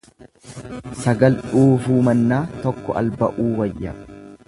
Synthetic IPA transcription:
sɐɡɐlᶑuːfuːmɐnːaːt̪ɔkːɔʔɐ̰lbɐʔuːwɐjːɐ̰

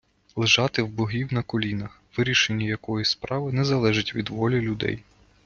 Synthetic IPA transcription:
lˠɪʒɑt̪ɪwbɔɦʲiwnɐkɔlʲinɐxʋɪɾʲiʃenʲːijɐkɔjispɾɑʋɪnɛzɐlˠɛʒɪtʲʋʲid̪ʋɔlʲilʲʊd̪ɛ̰j

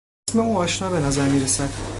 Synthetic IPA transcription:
sme̞uːnɒːʃnɒːbe̞næzæɾmiːɾesæd̪̥

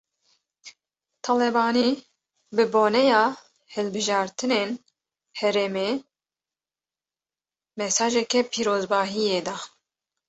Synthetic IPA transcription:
t̪ʰɑlɛbɑːni | bɨboːnɛjɑː | hɨlbɨʒɑːɾt̪ʰɨneːn | hɛɾɛmeː | mɛsɑːʒɛkɛpʰiːɾoːzbɑːɦijeːd̪ɑ

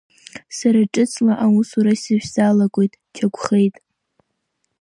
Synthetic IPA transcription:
saɾaʈ͡ʂʼɨt͡sʰʼlaʔausuɾasɨʒʷᶣzalakʷʼojtʼ | t͡ʃʰaɡʷʰχejtʼ

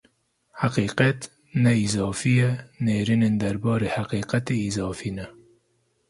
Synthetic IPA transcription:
haqiːqɛt̪ | nɛizɑːfijɛneːɾinend̪æɾbɑːɾeːhaqiːqat̪eiːzɑːfiːnɛ

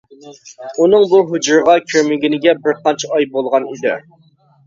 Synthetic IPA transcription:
unɨŋbuɦud͡ʒuɾʁɑkʲʰøɾmɪɡʲinɪɡʲɛbɪɾqʰɑnt͡ʃʰɛɑjbolˠʁɑnid̪ɪ̰

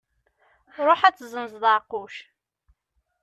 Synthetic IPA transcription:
ɾˤoħæt͡sːzəmzðˤaquʃ

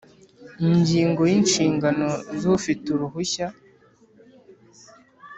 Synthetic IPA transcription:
iɲɟiːŋɡo̞jinʃiːŋɡano̞zufituɾuɦuça

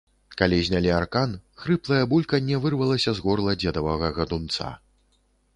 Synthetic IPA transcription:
kalʲizʲnʲalʲiarkanxɾɨplˠɐjɐbulʲkɐnʲɛvɨrvɐlˠɐsʲɐzɣɔrlˠɐd͡zʲɛd̪ɐvɐɣɐɣɐd̪unt̪sa̰

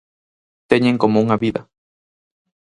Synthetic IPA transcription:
t̪eɲeŋkomouŋaβiða̰

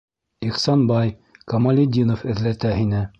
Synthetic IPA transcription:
iqsɑnbɑj | kɐmɐlʲɪd̪ʲinofɘ̆ðlæt̪æhinɘ

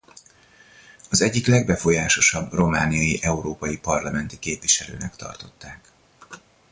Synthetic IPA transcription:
ɒzɛɟːiklɛɡbɛfo̞jaːʃo̞ʃɒbro̞maːnijɒjiʔɛuɾoːpɒjipɒrlɒmɛnt̪i̥keːpʋiʃɛlø̰ːnɛkt̪ɒ̰rt̪o̞t̪ːaːk

